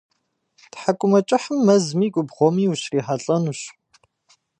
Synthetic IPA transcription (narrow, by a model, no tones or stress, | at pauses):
tħakʷʼʊmɐt͡ʃʼɪħəmːɐzmiːɡʷʼʊbʁʷɔmiːuɕriːħaɬʼɐnuɕ